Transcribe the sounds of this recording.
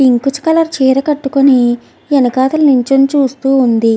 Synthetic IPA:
piŋkut͡ʃɐ̥kɐlɐɾt͡ʃiːɾɐkɐʈːukoni | enɐkaːt̪ɐlnuɲt͡ʃemt͡ʃuːst̪uːund̪i

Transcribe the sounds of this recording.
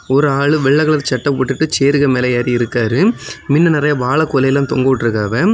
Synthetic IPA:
ɔɾɯaːɭɯʋɛɭːɐɣɐɭɐðt͡ʃɐʈːɐpɔʈːɯʈːɯt͡ʃeːɾɯɣɐmeːlɐjaːɾiɪɾɯkːaːɾɯmɪnːɐnɪɾɐjɐʋaːɭɐkːɔlɐjɪlaːmt̪ɔŋɡɐʋʈːɪɾɯkːaːʋɐ

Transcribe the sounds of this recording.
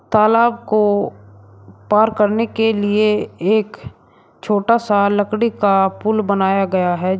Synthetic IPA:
t̪aːlaːb̚ko | paːɾkəɾnekelieeːk | t͡ʃʰoːʈasaləkɽikapʊlbənaːjaɡɐjaɦɛ

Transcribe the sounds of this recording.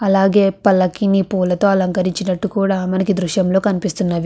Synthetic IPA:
ɐlaːɡe̞ːpɐlːɐkinipuːlɐt̪o̞ːɐlɐŋkɐɾiɲt͡ʃinɐʈːukuːɽaːmɐnɐkid̪ɾuʃjɐmlo̞ːkɐnipist̪unːaːʋi

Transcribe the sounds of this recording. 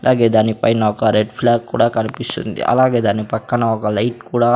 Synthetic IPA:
ɐlaːɡe̞ːd̪aːnipɐjnɐɔkɐɾeɖpʰlaːkkːṵːɽaːkɐnipist̪ṵnd̪ḭʔɐ̰laːɡe̞ːd̪aːnipɐkːɐnɐɔkɐlɐjʈkuːɽaː

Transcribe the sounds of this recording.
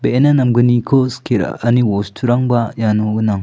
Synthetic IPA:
beenanɐmɡɯnikʰoskʰeɾa̰ɐniwostʰuɾaŋbajanoɡɯnaŋ

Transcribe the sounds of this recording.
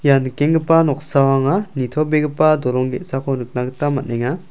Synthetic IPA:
jankeŋɡɯpanɔk̚sawaŋanitʰɔbeɡɯpadɔɾɔŋɡetsakʰɔnɯk̚naɡɯtamat̚neŋa

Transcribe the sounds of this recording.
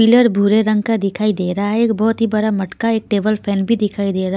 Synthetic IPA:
iləɾbʱuɾeɾə̃ŋɡkad̪ɪkʰaːid̪eːɾaɦaɦɛeːk̚bɔɦt̪ɦibɐɽamɐʈkaeːk̚ʈeːbəlpʰɛːnbʱid̪ɪkʰaːid̪eːɾa

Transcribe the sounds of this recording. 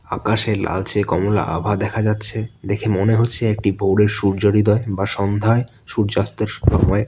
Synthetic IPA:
akaʃela̰lt͡ɕekɔmola̰ʔa̰bʱad̪ɛkʰad͡ʑatːɕʰed̪ekʰemoneɦotːɕʰeek̚ʈibʱowɽeɾʃuɾd͡ʑoɽid̪ɔebaʃɔnd̪ʱae | ʃuɾd͡ʑast̪eɾʃɔmɔe

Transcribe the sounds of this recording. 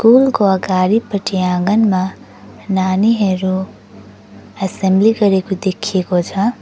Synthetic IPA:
kuːlkoɐɡaːɾipəʈijãːŋɡənmã | naːniɦeːɾo | ɐsẽmbliɡəɾekud̪eːkʰiekod͡ʒʰa

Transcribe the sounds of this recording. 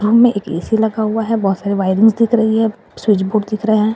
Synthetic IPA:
ɾũːmmẽʔeːkḛːsilɐɡaɦuaɦɛbɔɦt̪saːɾeʋaːɪɾɪ̃ŋɡzd̪ɪkʰɾɐɦiɦɛ | swɪt͡ʃboːɖd̪ɪkʰɾəɦeɦɛ̃ː

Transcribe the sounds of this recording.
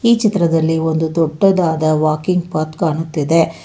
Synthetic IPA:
iːt͡ʃit̪ɾɐd̪ɐlːiond̪ut̪ɔʈːɐd̪aːd̪ɐʋaːkiŋɡpɐt̪kaːɳut̪ːid̪e̞

